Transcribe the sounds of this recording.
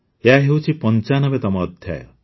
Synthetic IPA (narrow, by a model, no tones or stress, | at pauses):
eaɦewt͡ʃʰipɔnt͡ʃanɔbet̪ɔmɔːd̪ʱja̰jɔ̰